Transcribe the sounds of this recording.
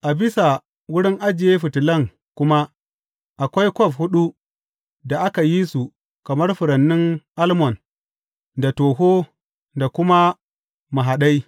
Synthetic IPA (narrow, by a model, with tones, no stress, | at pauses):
ʔa˨bɪ˦sa˨ | wʊ˦ɽɪ˦ŋʔa˦d͡ʒɪ˨je˦ɸɪ˨tɪ˨lɐ˦˨ŋ | kʷʊ˦ma˦ | ʔa˨kʷa˦jkʷɔ˦˨fhʊ˦ɗu˦ | da˨ʔa˦ka˨ji˦su˨ | kɐ˨mɐ˦rɸʊ˨ɾɐ˨nːɪ˦ŋʔa˦lmɔ˨n | da˨toː˨ɦo˦ | da˨kʷʊ˦ma˦ | ma˨ɦa˨ɗa˦j